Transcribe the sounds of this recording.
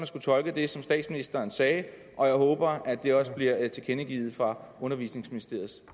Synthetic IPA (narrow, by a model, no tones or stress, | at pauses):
mænsɡ̥ut͡sʰɒ̽lɡ̥əd̥e̝sɒ̽msd̥ɛ̰ːd̥sminisd̥ɐːnsɛː | ʔɒ̽jɑ̈ɪɦɔːb̥ɐæd̥e̝ɒ̽sb̥liɐt͡sʰe̝kʰenəɡ̥ḭːð̩ˠfʁɑ̈ɔ̽nɐʋḭsne̝ŋsminisd̥e̝ɐ̰ð̩ˠ